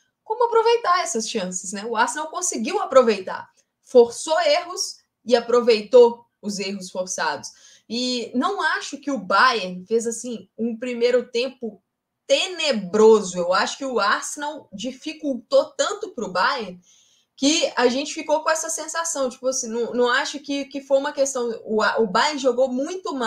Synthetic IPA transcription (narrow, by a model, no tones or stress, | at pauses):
kõmʊapɾovejt̪aɾɛsɐsʃɐ̃sɪ̥snɛʊaɾsenawkõsɪɡiwapɾovejt̪a̰ɾ | foɾsoeɦʊs | ɪapɾovejt̪o | ʊzeɦʊsfoɾsad̪ʊs | ɪnɐ̃w̃aʃʊkɪʊbajeɾfezasĩũpɾimejɾʊt̪ẽpʊ | t̪enebɾozʊewaʃʊ̥kɪʊaɾsenawd͡ʒifikuwt̪ot̪ɐ̃nt̪ʊpɾʊbajeɾ | kɪaʒẽnt͡ʃɪ̥fikokõɛsɐsẽsasɐ̃w̃t͡ʃi̥pʊɐsĩnɐ̃w̃nɐ̃w̃aʃʊkɪkɪfojũmɐkest̪ɐ̃w̃ʊaʔʊbajeɾʒoɡomũj̃t̪ʊma